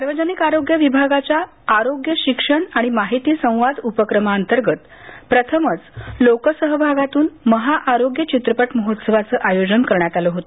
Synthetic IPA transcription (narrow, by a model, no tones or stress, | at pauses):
saɾʋəd͡ʑənikaɾoɡjəʋibʱaɡat͡ɕjaː | ɾoɡjəɕikʂəɳaɽ̃imaɦit̪iːsə̃w̃ʋad̪upəkɾəmaənt̪əɾɡət̪ | pɾət̪ʰəmət͡slokəsəɦəbʱaɡat̪uːnməɦaʔaɾoɡjət͡ɕit̪ɾəpəʈməɦot̪səʋat͡səːʔajod͡ʑənkəɾɳjat̪aləɦot̪o